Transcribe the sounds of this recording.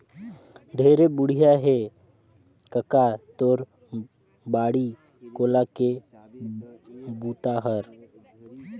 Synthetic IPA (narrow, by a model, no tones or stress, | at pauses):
ɖʱeːɾebʊɽ̤ijaɦe | kəkat̪oːɾ | baːɽi | koːlake | buːt̪aɦəɾ